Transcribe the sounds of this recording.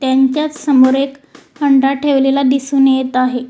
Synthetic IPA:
t̪jaɲt͡ɕjat͡ssəmoɾekhəɳɖaʈʰeʋlelad̪isunejet̪aɦe

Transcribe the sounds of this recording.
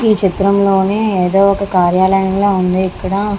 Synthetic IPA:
iːt͡ʃit̪ɾɐmlo̞ːneeːd̪o̞ːɔkɐkaːɾjaːlɐjɐmloːund̪iikːɐɽɐ

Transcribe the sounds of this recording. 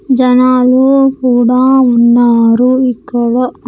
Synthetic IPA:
d͡ʒɐnaːlukuːɽaːunːaːɾuikːɐɽɐ

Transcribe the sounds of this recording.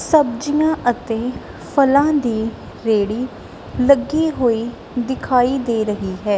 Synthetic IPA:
səb̚d͡ʒijãːʔət̪eː | pʰəlãːd̪iː | ɾeːɽiː | ləɡiːɦoːiː | d̪ɪkʰaːiːd̪eːɾəɦiːɦɛː

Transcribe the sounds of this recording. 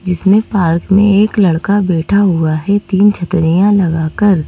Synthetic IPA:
d͡ʒɪsmẽpaːɾkmẽeːklɐɽkabɛːʈʰaɦʊaɦɛt̪iːnt͡ʃʰɐt̪ɾijãlɐɡaːkəɾ

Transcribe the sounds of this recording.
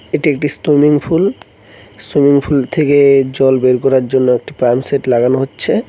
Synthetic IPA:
eʈiek̚ʈistomiŋful | stomiŋfʰult̪ʰeked͡ʑɔlbeɾkɔɾaɾd͡ʑonːoek̚ʈipamseʈlaɡanoɦotːɕʰe

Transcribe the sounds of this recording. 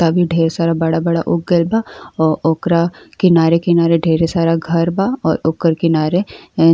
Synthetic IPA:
t̪abʱiɖʱeːɾesaːɾabɐɽabɐɽa̰ʔʊk̚ɡelbaɔːɾoːkɾakɪnaːɾekenaːɾeɖʱeːɾesaːɾaɡʱɐɾbaɔːɾʊkəɾkenaːɾe

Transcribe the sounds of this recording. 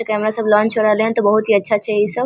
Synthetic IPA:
kɛmɾasɐblɔ̃ːnt͡ʃʰoɾaɦleɦənt̪obɐɦut̪ɦiːɐtːʃʰat͡ʃʰeisɐ

